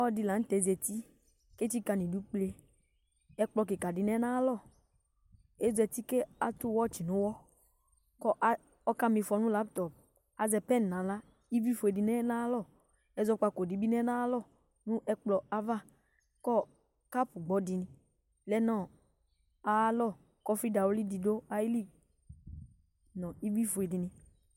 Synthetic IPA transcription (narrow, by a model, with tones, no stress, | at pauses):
di˧˨la˨n̩˦tɛ˨˦zɛ˨t̪i˦ | ke˦t͡ʃi˦ka˧nĩ˨du˦k͡ple˧ | ɛ˦k͡plɔ˧k̬e˨ka˨di˨nɛ˦nã˦lɔ˦˨ | e˦zɛ˨t̪i˦ke˦a˦t̪u˦wɔ˦t͡ʃi˨nʊ̃˨˦wɔ˦ | kɔ˦ʔa˦ | ɔ˦ka˦mi˧fɔ˧nũ˦la˦pt̪ɔ˨p̚ | a˨zɛ˨pɛ˦n˨nã˨la˦ | i˦vi˦fo˨e˨di˨nɛ˦nã˦lɔ˦˨ | ɛ˨˦zɔ˦k͡pa˧ko˨di˨bi˦nɛ˦nã˦lɔ˦˨ | nũ˦ʔɛ˦k͡plɔ˨a˦va˦˨ | kɔ˦ | ka˦pu˨ɡ͡bɔ˨˦di˨nĩ˨ | lɛ˦nɔ̃˦˨ | a˨˦lɔ˦˨ | kɔ˦fi˦da˨wo˦li˦di˨do˦a˨ji˦li˦ | nɔ̃˨i˦vi˦fo˨e˨di˨nĩ˨